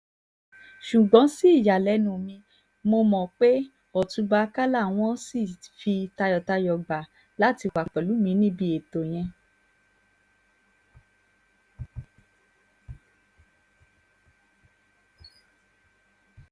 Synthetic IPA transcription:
ʃu˨ɡ͡bɔ̃˨˦si˦˨ja˨lɛ˨˦nũ˨mĩ˧ | mo˧mɔ̃˨k͡pe˦ | ɔ˨tũ˧ba˧ka˦la˦˨w̃ɔ̃˦si˦˨fi˧ta˧jɔ˨ta˧jɔ˨ɡ͡ba˨ | la˦ti˧wa˨k͡pɛ˨lu˨˦mĩ˧˦nĩ˦bi˧˦e˨to˨j̃ɛ̃˧

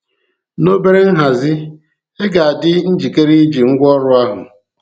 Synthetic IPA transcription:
no˦be˦ɾe˦n̩˦ɦa˨zɪ˦ | e˦ɡa˨a˨dɪ˦n̩˦d͡ʒi˨ke˦ɾi˦d͡ʒi˨ŋ̩˦ɡʷɔ˦ɾʊ˦a˦ɦʊ̰˨

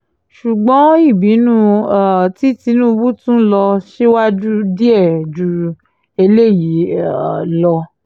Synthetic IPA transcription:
ʃu˨ɡ͡bɔ̃˨˦i˦˨bi˨˦nũ˦˧a˨ti˨˦ti˧˦nũ˦˧bu˦tũ˦lɔ˧ʃe˦wa˦d͡ʒu˦di˦ɛ˦˨d͡ʒu˨˧ | e˧le˦˨ji˨˦˨ | lɔ˧

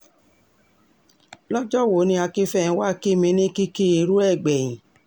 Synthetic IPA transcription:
lɔ˦d͡ʒɔ˦˨wo˨˦nĩ˧˦a˧ki˦fɛ̃˦˨˧wa˦ki˦˨mĩ˧˦nĩ˦ki˦ki˦i˧ɾu˦ɛ˦˨ɡ͡bɛ˨j̃ĩ˨

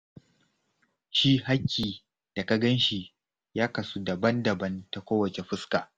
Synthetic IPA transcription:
ʃi˦ɦa˦kʲːiː˨ | d̥a˨ka˦ɡɐ˦nʃi˨ | jaː˦kɐ˨su˦dɐ˨bɐ˦ndɐ˨bɐ˦nta˨kʷoː˦wɐ˨t͡ʃe˨ɸɪ˦skaː˨

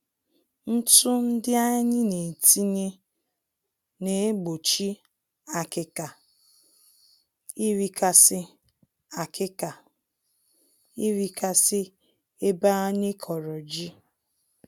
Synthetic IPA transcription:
n̩˦tʊ˦n̩˦dɪ˦a˦ɲɪ˦ne˨ti˦ɲe˦ | ne˨e˦ɡ͡bo˨t͡ʃi˦ | a˨kɪ˦ka˨ | i˦ɾi˦ka˦sɪ˦ | a˨kɪ˦ka˨ | i˦ɾi˦ka˦sɪ˦ | e˦ba˦ɔ˦ɲɪ˦kʰɔ˨ɾɔ˨d͡ʒi˦

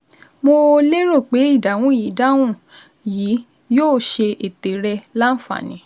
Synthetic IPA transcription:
mo˧le˦ɾo˦˨k͡pe˨˦i˦˨da˨w̃ũ˨˦ji˨˦da˦w̃ũ˦˨ | jiː˨˦ | joː˦˨ʃe˧ʔe˨te˨˦ɾɛ˧la˦n̩˦fa̰˦˨nĩ˨˦

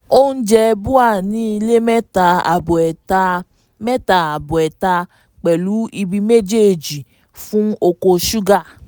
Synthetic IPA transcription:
o˦n̩˦d͡ʒɛ˧bu˦a˦˨nĩ˨˦i˧le˦mɛ˦ta˧a˨bɛ˨ta˧ | mɛ˦ta˨a˨bɔ˨ɛ˨ta˧ | k͡pɛ˨lu˨˦i˧bi˧me˦d͡ʒe˦˨d͡ʒi˨ | fũ˦o˧ko˧ʃu˦ɡa˦˨

